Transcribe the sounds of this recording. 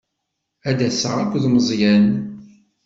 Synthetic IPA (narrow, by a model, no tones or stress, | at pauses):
æd̪æsə̰ʁækʷːðməzˤjæn